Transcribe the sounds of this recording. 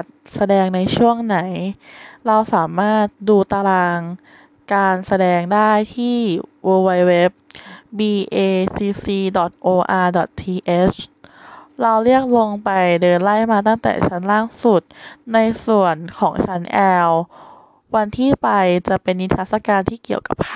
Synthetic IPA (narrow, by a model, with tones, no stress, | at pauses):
t̪̚sa˧dɛː˧ŋna˧jt͡ɕʰu˥˩əŋna˩˦jɾa˧wsaː˩˦maː˥˩t̪̚duː˧t̪a˧laː˧ŋ | kaː˧nsa˧dɛː˧ŋdaː˥˩jt̪ʰiː˥˩woː˧wa˧jwe˦˥p̚biː˧ʔeː˧siː˧siː˧dɔ˨˩t̪̚ʔoː˧ʔaː˧dɔ˨˩t̪ʰːiː˧ʔe˦˥s | ɾa˧wɾi˥˩ək̚lo˧ŋpa˧jdɤː˧nla˥˩jmaː˧t̪̬a˥˩ŋt̪ɛ̰ː˨˩t͡ɕʰa˦˥nlaː˥˩ŋsu˨˩t̪̚na˧jsu˨˩ənkʰɔː˩˦ŋt͡ɕʰa˦˥nʔɛː˧w | wa˧nt̪ʰiː˥˩pa˧jt͡ɕa˨˩ʔpe˧nwi˦˥t̪ʰa˦˥t̪sa˧˩kaː˧nt̪ʰiː˥˩ki˨˩əwka̰˨˩p̚